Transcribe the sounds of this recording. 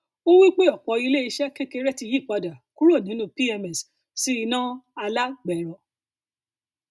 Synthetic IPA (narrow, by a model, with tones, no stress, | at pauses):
o˦wi˦k͡pe˦ɔ˨k͡pɔ˨˧˦i˧le˦i˧ʃɛ˦ke˦ke˧ɾɛ˦ti˧ji˦˨k͡pa˧da˨ku˦ɾo˦˨nĩ˨˦nũ˦pi˦ɛ˧mɛ˨s | si˦i˧nã˦a˧la˦ɡ͡bɛ˨ɾɔ˨˦